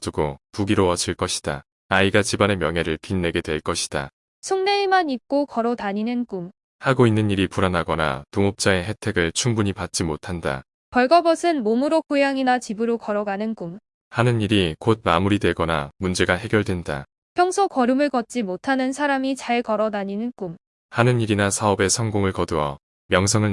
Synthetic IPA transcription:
tuɡopuɡiɾoʌt͡ɕʰiɭk͈ʌɕʰi̥d̥a̰ | aiɡat͡ɕibane̞mjʌŋɦe̞ɾɯɭpinːe̞ɡe̞dwe̞ɭk͈ʌɕʰi̥d̥a̰ | sʰuŋneimanip̚k͈okʌɾʌtaɲinɯnk͈um | haɡoinːɯniɾipuɾanɦaɡʌna̰toŋop̚t͡ɕ͈ae̞ɦe̞tʰe̞ɡɯɭt͡ɕʰuŋbuɲipat̚t͡ɕ͈imotʰanda̰ | pʌɭɡʌbʌsʰɯnmomuɾokʰujaŋinat͡ɕibɯɾokʌɾʌɡanɯnk͈m | hanɯniɾikod̚mamuɾidwe̞ɡʌna̰mund͡ʑe̞ɡaɦe̞ɡjʌɭdwe̞nda̰ | pʰjʌŋsʰokʌɾumɯɭkʌt̚t͡ɕ͈imotʰanɯnsʰaɾamit͡ɕaɭkʌɾʌnaɲinɯnk͈um | hanɯniɾinasʰaʌbe̞sʰʌŋɡoŋɯɭkʌduʌ̰ | mjʌŋsʰʌŋɯɭ

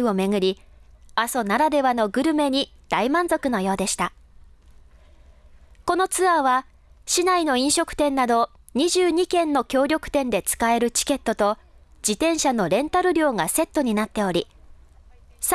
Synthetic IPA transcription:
ɯo̞me̞ŋɯ̟ɾʲiasonaɾad̪e̞βano̞ɡɯ̟ɾɯ̟me̞ɲ̟id̪̥aimãnzo̞kɯ̟no̞jo̞ːd̪e̞ɕi̥t̪a | ko̞no̞t͡sɨβaβa | ɕinaino̞ĩɰ̃ɕo̞kɯ̟̥t̪ẽ̞nːad̪o̞ | ɲ̟iʑɨːɲ̟ikẽ̞nːo̞kʲo̞ːɾʲo̞kɯ̟̥t̪ẽ̞nd̪e̞t͡sɨ̥kae̞ɾɯ̟t͡ɕi̥ke̞t̪ːo̞t̪o̞ | d͡ʑ̥it̪ẽ̞ɰ̃ɕano̞ɾẽ̞nt̪aɾɯ̟ɾʲo̞ːŋase̞t̪ːo̞ɲ̟inat̪ːe̞o̞ɾʲi | s

